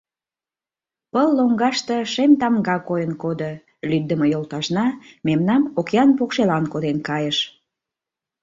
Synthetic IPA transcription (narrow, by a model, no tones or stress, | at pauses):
pəlːoŋɡɑʃt̪əʃemt̪ɑmɡɑkojənkod̪o | lyd̪ːəməjolˠt̪ɑʃnɑmemnɑmokjɑnpokʃelɑnkod̪enkɑjəʃ